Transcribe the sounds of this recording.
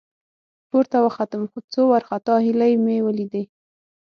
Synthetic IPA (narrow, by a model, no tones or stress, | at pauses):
poɾt̪awəxat̪əmxot͡sowaɾxat̪ɑhilajmewəlid̪aj